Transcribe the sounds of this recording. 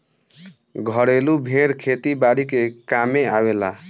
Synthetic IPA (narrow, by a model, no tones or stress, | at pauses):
ɡʱʌɽelubʱeɽkʰet̪ibaɽikekameawela̰